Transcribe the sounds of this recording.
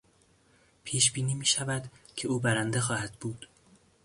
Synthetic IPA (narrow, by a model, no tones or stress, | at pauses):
pʰiːʃbiːniːmiːʃævæd̪cʰe̞uːbæɾænd̪e̞xɒːhæd̪buːd̪̥